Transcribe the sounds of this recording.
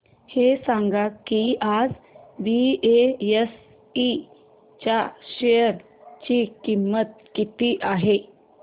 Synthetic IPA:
hesãŋɡakːiʔad͡zbiees | i | t͡ɕaɕejəɾ | t͡ɕikimːət̪̚ | kit̪iʔaɦe

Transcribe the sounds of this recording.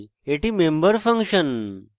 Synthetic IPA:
eʈiːmẽmbəɾfə̃ŋkɕən

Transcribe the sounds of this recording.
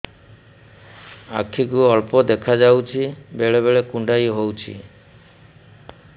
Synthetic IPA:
a̰kʰikuɔɭpɔd̪ekʰad͡ʒawt͡ʃʰibeɭeβeɭekuɳɖajɦowt͡ʃʰḭ

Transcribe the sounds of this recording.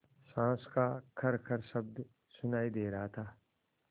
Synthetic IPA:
sãːskakʰɐɾkʰɐɾʃɐbd̪ | sʊnaːid̪eːɾɐɦat̪ʰaː

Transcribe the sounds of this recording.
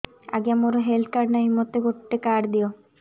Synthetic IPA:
a̰ɡeamoɾoɦelt̪̚ʰkaɾnaɦimːot̪eɡoʈːekaɾd̪io

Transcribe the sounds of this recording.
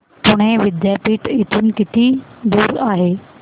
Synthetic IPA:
pʊɽ̃ẽʋɪd̪jaːɾpiːʈɪt̪ʰʊnɪ̆kɪt̪ʰid̪uːɾaːɦeː

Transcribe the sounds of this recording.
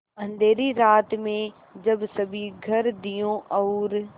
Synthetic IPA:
ɐ̃nd̪ʱeːɾiɾaːt̪mẽ | d͡ʑɐbsɐbʱiɡʱɐɾd̪ijõʔɔːɾ

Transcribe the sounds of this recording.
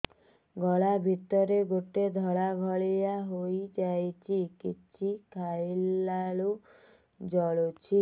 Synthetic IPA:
ɡɔɭabʱit̪ɔɾeɡoʈed̪ʱɔɭaɡʱɔɭijaɦojd͡ʒajt͡ʃʰikit͡ʃʰikʰajlːalu | d͡ʒɔɭot͡ʃʰi

